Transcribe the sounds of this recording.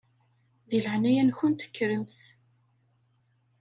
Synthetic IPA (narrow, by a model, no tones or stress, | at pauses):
ðiləʕnæjænçʊnt̪ə̥kːɾəmθ